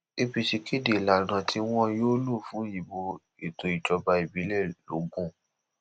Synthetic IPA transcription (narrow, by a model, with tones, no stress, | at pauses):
e˧bi˧ʃi˧ki˦de˨la˨nã˧tʰi˧˦w̃ɔ̃˦joː˦lu˦˨fũ˨˦ji˧˨bo˧ | e˨to˧˦i˨d͡ʒɔ˧ba˧i˨bi˨˦lɛ˦˨lo˨˦ɡũ˦˨